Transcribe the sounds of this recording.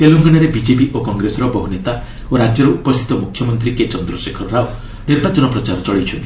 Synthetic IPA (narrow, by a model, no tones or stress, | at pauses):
t̪eluŋɡanɔɾebid͡ʒepiʔokɔŋɡɾesɔɾɔbɔɦunet̪a | oɾad͡ʒjɔɾɔupɔst̪ʰi̥t̪ɔmukʰjɔmɔnt̪ɾiket͡ʃɔnd̪ɾɔsekʰɔɾɾao | niɾbat͡ʃɔnɔpɾɔt͡ʃaɾɔt͡ʃɔɭijt͡ʃʰɔnt̪i̥